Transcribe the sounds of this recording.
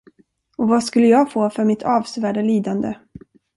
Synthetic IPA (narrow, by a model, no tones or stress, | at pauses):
ɔvaskɵlːəjɑːɡfoːfœɾmɪt̪ʰɑːvsvæːɖaliːd̪and̪ə